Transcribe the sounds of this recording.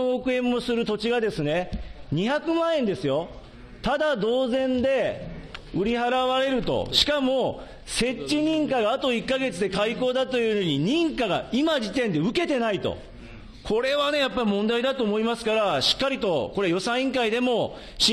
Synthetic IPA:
oːkɯ̟ẽ̞mːo̞sɨɾɯ̟t̪o̞t͡ɕiɡad̪e̞sɨne̞ɲ̟içakɯ̟mãːẽ̞nd̪e̞sɨjo̞ | t̪ad̪ad̪o̞ːzẽ̞nd̪e̞ | ɯ̟ɾʲiɦaɾaβaɾe̞ɾɯ̟t̪o̞̰ɕi̥kamo̞ | se̞t͡ɕːiɲ̟ĩŋkaɡaːt̪o̞ikːaɡe̞t͡sɨd̪e̞kaiko̞ːd̪at̪o̞jɯnoɲ̟iɲĩŋkaɡaimaʑit̪ẽ̞nd̪e̞ɯ̟ke̞t̪e̞nait̪o̰ | kʰo̞ɾe̞βane̞japːaɾʲimõ̞nd̪aid̪at̪o̞ːmo̞imasɨ̥kaɾaɕi̥kːaɾʲit̪o̞ko̞ɾe̞jo̞sãɰ̃ĩŋkaid̪e̞mo̞ | ɕi

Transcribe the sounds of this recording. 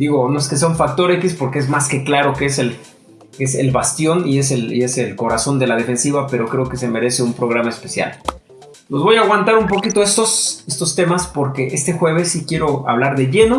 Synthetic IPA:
d̪iɣo̞no̞eske̞seauɱfak̚t̪o̞ɾe̞kispo̞ɾkeezmaske̞klaɾo̞keesel | esḛlβast̪jo̞nie̞s̬elie̞se̞lko̞ɾaso̞nd̪e̞lað̞e̞fe̞nsiβape̞ɾo̞kɾe̞oke̞se̞me̞ɾe̞se̞umpɾo̞ɣɾamaespe̞sja̰l | lo̞zβo̞jaːɣwant̪aɾumpo̞kit̪o̞e̞st̪ose̞st̪o̞st̪e̞maspo̞ɾke̞ʔe̞st̪e̞xwe̞β̞e̞sːikje̞ɾo̞a̰βlaɾðe̞ʝe̞no̞

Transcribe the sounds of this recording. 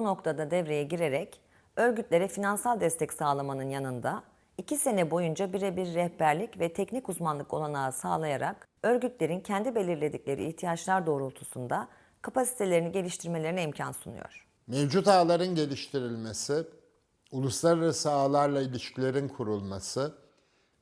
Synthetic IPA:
buno̞kt̪ʰad̪ad̪ɛvɾe̞jɛɟiɾe̞ɾɛc | ø̞ɾɟyt̪lʲe̞ɾɛfinansalˠd̪ɛst̪ʰɛcsaːlˠamanɯnjanɯnd̪a | icʰise̞nɛbo̞jund͡ʒabiɾɛbiɾːɛhbæɾlʲicvɛt̪ʰɛcnicuzmanlˠɯko̞lˠanaːsaːlˠajaɾa̰k | ø̞ɾɟyt̪lʲe̞ɾincʰɛnd̪ibe̞lʲiɾlʲe̞d̪iclʲe̞ɾḭːçt̪ʰijat͡ʃlˠaɾd̪o̞ːɾuot̪ʰusund̪a | kʰapasi̥t̪ʰelʲe̞ɾiniɟe̞lʲiʃt̪ʰiɾme̞lʲe̞ɾinɛimcʰa̰nsunṵjo̞̰ɾ̥ | mevd͡ʒut̪aːlˠaɾɯnɟe̞lʲiʃt̪ʰiɾilʲmesɪ | ulˠuslˠaɾaɾasɯaːlˠaɾlˠailʲiʃcʰilʲe̞ɾinkʰuɾulˠmasɯ

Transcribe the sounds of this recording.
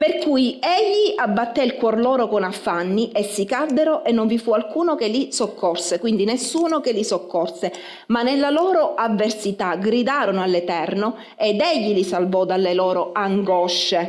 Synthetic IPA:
perkujɛʎːiʔabːat̪ːeilkwɔrlɔːɾokonafːanːiʔesːikad̪ːeɾoʔenːoɱvifualkuːnokelisokːɔrsekwind̪inesːuːnokelisokːɔrse | manːelːalɔːɾoʔavːersit̪aɡɾid̪aːɾonoalːet̪ɛrno | ed̪ɛʎːilisalvɔd̪alːelɔːɾoaŋɡɔʃːe

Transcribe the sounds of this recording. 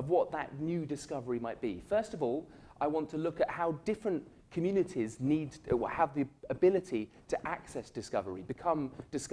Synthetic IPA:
ʌvwɒʔ̪̚ðə̰ʔnjʉdɨskʌvəɹimaɪʔ̚b̥ḭfɜˑ˞stʌvɔːlˠ | ʔaɪwɑ̃ntʰəlʊkəʔ̚haʊdɪfɹə̃n | kʰəmjʉːnɨtʰizniːdəvðiəbɪlɪtʰi | tʰəʔaksɛsd̥ɨskʌvəɹibɨkʰʌ̃md̥ɨsk

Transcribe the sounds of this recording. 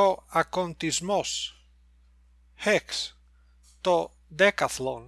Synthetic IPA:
oakont̪izmos | heks | t̪o | d̪ekaθlon

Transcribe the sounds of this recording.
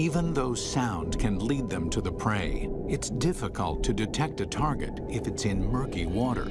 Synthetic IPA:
ivə̃nðoʊsãʊ̃ndkʰɨ̃nlid̪̚ðɨ̃mtʰɨðɨpʰɹ̥eɪɨtsd̥ɪfəkʰə̰l̩ˠtʰɨdɨtʰɛk̚tɨtʰɑɹɡɨ̰ɾ | ɨfɨtsɨ̃nmɜ˞kiwɔɾə̰˞

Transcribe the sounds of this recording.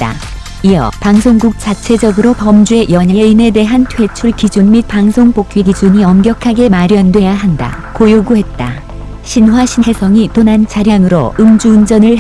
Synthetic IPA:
t͈a̰ | ijʌ̰paŋsʰoŋɡuk̚t͡ɕ͈at͡ɕʰe̞d͡ʑʌɡɯɾopʌmd͡ʑue̞jʌɲajeine̞de̞ɦantʰwe̞t͡ɕʰuɭkid͡ʑunmit̚paŋsʰoŋpok͈̚iɡid͡ʑuɲiʌmɡjʌkʰaɡe̞maɾjʌndwe̞jaɦanda̰ | kojoɡuɦe̞t̚t͈a̰ | ɕʰinwaɕʰie̞sʰʌŋitonant͡ɕʰaɾjaŋɯɾo̰ɯmd͡ʑund͡ʑʌnɯɭ

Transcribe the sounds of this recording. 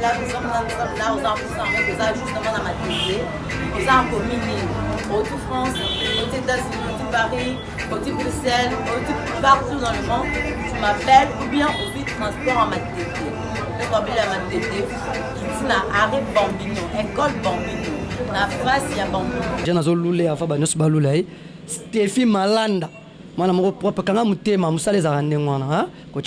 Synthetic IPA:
lavusɔ̃mnasɔ̃mlaozakusãmẽozaʒusnamãnamat̪ete | ozakomini | otufʁɑ̃sotitasiotipaʁi | otibusɛlotipaʁtizãvɔ̃ | timapɛlubjɛ̃ʔofit̪ʰɔ̃spɔʁãmatet̪e | bekɔ̃belamatete | kitinaʔaʁebɔ̃biniɛ̃kɔdbɔ̃bininafʁasjabãbiniʒãnazoluleavabaɲɔ̃sɔbalulae | stefimalanda | ŋwanamokopʁɔpɛkaŋɡamutemamosalezakandeŋwana | kot͡ʃ

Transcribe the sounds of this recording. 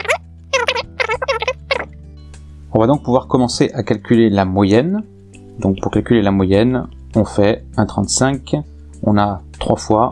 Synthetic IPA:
ɔ̃vad̪ɔ̃k̚puvwaʁkɔmɑ̃seʔakalkʲylelamwajɛn | d̪ɔ̃k̚puʁkalkʲylelamwajɛn | ɔ̃fɛ | ɛ̃t̪χɑ̃t̪sɛ̃k | ɔ̃nat̪χwafwa

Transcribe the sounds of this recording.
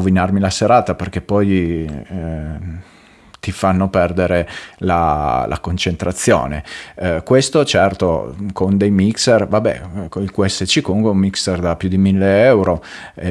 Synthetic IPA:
vinarmilaseɾaːt̪aperk̟epːɔj | t̪ifanːopɛrd̪eɾelalʔa̰kont͡ʃent̪ɾat̪sːjo̰ːnḛkwest̪ot͡ʃɛrt̪okond̪ejmikservabɛ̰ilkuɛsːet͡ʃikomuŋkweumːikserd̪apːjud̪imilːeɛwɾo

